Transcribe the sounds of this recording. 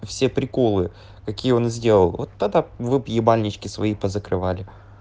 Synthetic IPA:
fsʲepɾʲɪko̞lˠɨ | kɐkʲijəo̞nzʲdʲe̞lˠəlˠvo̞t̪ːɐɡ̚d̪avɨpjɪbalʲnʲɪt͡ɕkʲɪsvɐipəzəkɾɨvalʲɪ

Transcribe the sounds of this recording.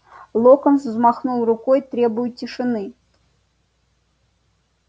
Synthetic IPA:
lˠokənszmɑχnulˠrʊkojt̪ɾʲebʊjʊt̪̚ʲtʲːɪʂɨnɨ

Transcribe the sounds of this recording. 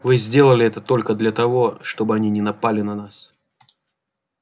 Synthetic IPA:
vɨzʲdʲe̞lˠəlʲɪɛt̪ət̪o̞lʲkəd̪lʲɐt̪ɐvo̞ʂt̪o̞bɨɐnʲinʲɪnɐpalʲɪnɐnas

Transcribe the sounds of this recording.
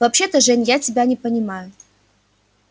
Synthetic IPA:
vɐpɕe̞t̪ɐʐɛnʲjatʲɪbʲanʲɪpɐnʲɪmajʊ

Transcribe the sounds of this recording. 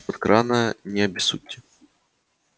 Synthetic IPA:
ɐt̪kɾanəjənʲɪɐbʲɪsut̪ʲːɪ

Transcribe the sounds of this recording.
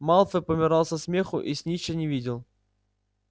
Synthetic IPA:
mɑlˠfəpəmʲɪɾɑlˠsəsmʲexʊ̰ʔisʲnʲit͡ɕənʲɪvʲidʲɪlˠ

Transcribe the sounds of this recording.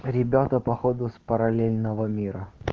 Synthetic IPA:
ɾʲɪbʲat̪əpɐxod̪ʊspəɾɐlʲelʲnəvəmʲiɾə

